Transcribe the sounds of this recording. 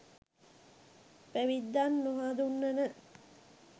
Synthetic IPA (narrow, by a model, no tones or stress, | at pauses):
pæʋid̪ːanːuɦaːd̪unːɐnə